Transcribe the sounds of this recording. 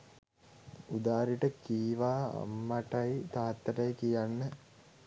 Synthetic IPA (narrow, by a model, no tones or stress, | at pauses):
ud̪aːɾiʈəkiːʋa̰ːmːaʈajt̪aːt̪ːəɾajkijanːə